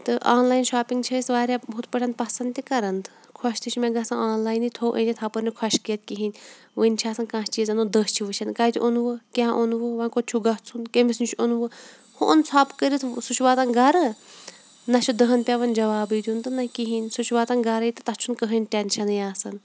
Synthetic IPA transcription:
t̪ɨʔaːnlaːjnʃaːpiŋɡt͡ʃʰɐisʋaːɾʲjabut̪pəʈʰʲɐnd̪̚pɐsɐnd̪t̪ikɐɾɐnd̪ɨ | kʰɔʃt̪ʰit͡ʃʰmʲẽɡɐsɐnaːnlaːjnit̪ʰoːʔə̰̃nʲit̪ʰapɨɾnʲikʰɐʃkiːt̪̚kiɦinʲ | ʋənʲt͡ʃʰaːsɐnkãːst͡ʃiːzɐnud̪əːst͡ʃʰiʋɨt͡ʃʰɐnkɐjt̪ʰʲiʔunʋɨkʲãʔonʋɨʋɐnkot͡ʃʰuɡɐt͡sʰunkemisnit͡ʃʰonʋɨ | hoʔonsʰaːpkəɾit̪ʰsut͡ʃʰʋaːt̪ɐnɡɐɾɨ | nɐt͡ʃʰud̪ɨɦɐnpʲaʋɐnʲd͡ʒɐʋaːbid̪ʲunt̪ɨnɐkiɦinʲsut͡ʃʰʋaːt̪ɐnɡɐɾɐit̪ɨt̪ɐt͡ʃʰunkəɦənʲʈʲenʲʃʰɐnɨjaːsɐn

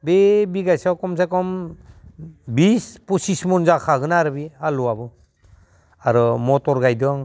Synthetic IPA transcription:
bebiɡajsawkɔms̬akɔm | bispusismɔnzakʰaɡɯnaɾɯbialuabɯ | aɾɔmɔtɔɾɡajdɔŋ

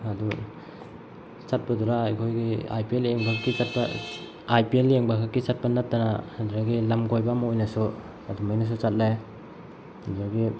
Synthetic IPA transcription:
adu | sat̚paduɾaajkʰojɡia̰jpieleŋbakʰakːisat̚pa | ajpieleŋbakʰakːisat̚panatːanaːduɾaɡilamɡojbamaojnɐsu | adumajnas̬ut͡ʃat̚laj | duaɡi

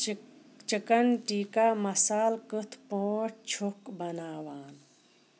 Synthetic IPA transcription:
t͡ʃikɐnʈiːkaːmɐsaːlkɨt̪ʰpoːʈʰt͡ʃʰukbɐnaːʋaːn

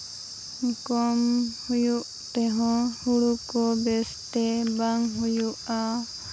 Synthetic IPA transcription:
kɔmhujuʔ | t̪ɛɦɔ̃huɽukɔbɛst̪ɛbaŋɦujuʔa

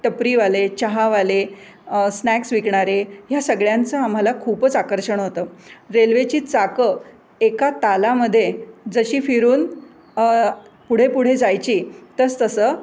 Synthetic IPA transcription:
ʈəpɾiːʋalet͡ɕaɦaʋale | snæksʋikɳaɾejasəɡɭjãnt͡səam̤alakʰuːpət͡sakəɾɕəɳ̃ɦot̪əːɾelʋet͡ɕiːt͡sakə | ekat̪alaməd̪ʱːjed͡zəɕiːfiɾuːn | puɽ̤epuɽ̤ed͡zajt͡ɕiːt̪əst̪əsəː

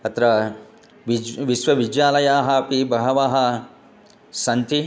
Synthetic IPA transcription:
ɐt̪ɾɐ | ʋiʋisʋɐʋid͡ʒjaːlɐjaːɦɐ̆pibɐɦɐʋaːɦɐ̆ | sɐnt̪ʰi

